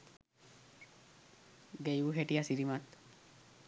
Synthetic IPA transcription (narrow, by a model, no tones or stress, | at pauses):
ɡejuɦeʈiasiɾimat̪